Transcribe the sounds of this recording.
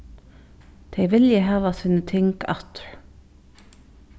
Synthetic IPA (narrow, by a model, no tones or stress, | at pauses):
t̪ʰejvɪljɪɦaːvasiːnət̪ʰɪŋka̰ht̪ɾ̥